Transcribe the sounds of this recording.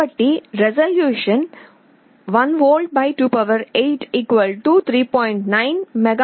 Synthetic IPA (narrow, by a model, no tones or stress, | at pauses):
əʈːiɾɛzɐljuːʃə̃n | ʋɐnʋoːlɖ̚baɪʈuːpɐʋəɾeːʈʰiːkʋəlʈuːt̪ʰɾiːpɔ̃ɪɳʈnaɪnmɛɡa